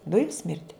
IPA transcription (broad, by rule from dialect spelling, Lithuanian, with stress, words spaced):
ˈdʊjʊm ˈsʲmʲɪrʲdʲɪ